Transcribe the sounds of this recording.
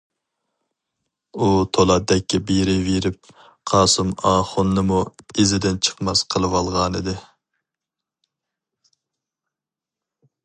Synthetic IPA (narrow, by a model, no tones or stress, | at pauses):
ut̪ʰolˠɑd̪ɛkʲːɛbeɾɪveɾɪp̚ | qʰɑːsumɑːχʊnːɨmuezɪd̪ɪnt͡ʃʰə̥qmɑsqʰəlˠɨwɑlˠʁɑnɨd̪ɪ